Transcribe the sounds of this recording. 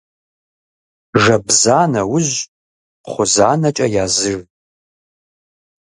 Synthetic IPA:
ʐɐbzaːnɐwʊʑ | χʷʊzaːnɐt͡ʃʼɐjaːzɨr

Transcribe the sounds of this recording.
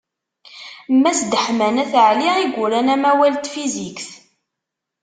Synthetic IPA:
mːæsd̪əħmænæθʕliʁiɡʷʊɾænæmæwælt̪fizikθ

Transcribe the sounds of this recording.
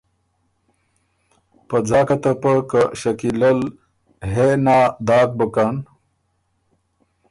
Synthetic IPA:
pɐd͡zaːkat̪apəkaɕɐkilɐl | ɦenaːd̪aːk̚bəkan

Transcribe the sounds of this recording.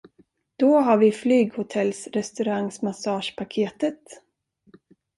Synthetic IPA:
d̪̥ɔɦaɾvɪflyːɡhʊt̪ʰɛlsɾɛst̪ɵɾaŋsmasɑːʂpʰakʰeːt̪ət̪

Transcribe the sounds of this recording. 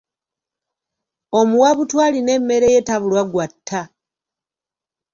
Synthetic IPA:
o̞muwaβutwaːline̞mːe̞ɾe̞jetaβulwaɡwatʰːa

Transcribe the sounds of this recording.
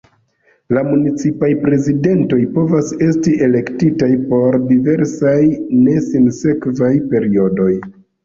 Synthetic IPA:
lamunit͡sipajpɾe̞zide̞nto̞jpo̞vase̞stiʔe̞le̞ktitajpo̞ɾdive̞ɾsajne̞sinse̞kvajpe̞ɾio̞do̞j

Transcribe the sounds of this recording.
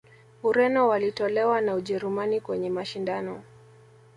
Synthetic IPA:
uɾɛnɔwalitɔlɛwanauʄɛɾumanikwɛɲɛmaʃindanɔ

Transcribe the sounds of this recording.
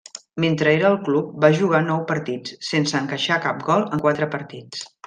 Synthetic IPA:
ment̪ɾəeɾəːlˠklup̚baʒuɣ̞anɔwpəɾt̪it͡ssːensəːŋkəʃakap̚ɡɔlˠəŋkwat̪ɾəpəɾt̪it͡s

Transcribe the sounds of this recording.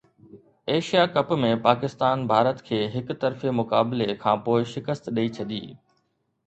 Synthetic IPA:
eːʃijakɐpmẽpaːkɪst̪aːnbʱaːɾət̪kʰeːɦɪkt̪ɐɾfemʊkaːbɪlekʰãːpoːɪʃɪkəst̪ɗɐit͡ɕʰɐd̪ḭː

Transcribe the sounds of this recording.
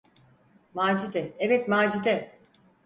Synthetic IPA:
maːd͡ʒud̪ɛevɛt̪maːd͡ʒud̪ɛ

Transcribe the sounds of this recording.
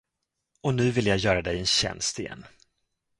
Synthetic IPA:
ɔnʉ̟ːvɪljɑːjœːɾad̪ɛjɛnɕɛ̰nst̪ɪjɛ̰nː

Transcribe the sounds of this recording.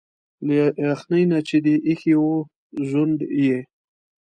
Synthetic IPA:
leaxnəjnat͡ʃed̪iʔixiwo | ʒand̪je

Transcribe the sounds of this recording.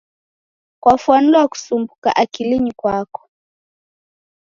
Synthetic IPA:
kwafwan̩dwaku̥sumbuka̰ʔakiliɲikwakɔ̥

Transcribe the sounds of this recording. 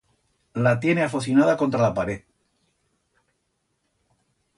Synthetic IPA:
lat̪je̞ne̞afoθinað̞ako̞nt̪ɾalapaɾeð

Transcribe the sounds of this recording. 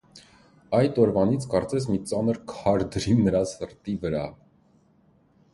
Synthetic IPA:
ɑjt̪ɔɾvɑnit͡sʰkɑɾt͡sɛs̬mit͡sɑnəɾkʰɑɾd̪əɾinəɾɑsəɾt̪ivəɾɑ

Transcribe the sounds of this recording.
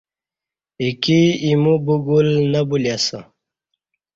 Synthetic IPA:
ikiimubuɡulnɐbuljasə

